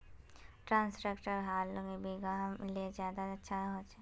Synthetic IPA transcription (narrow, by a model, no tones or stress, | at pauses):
ʈɾãːnsʈɾeːkʈəɾɦaːləɡebʱiɡamlezjaːd̪aɐtːʃʰaɦoːt͡ʃe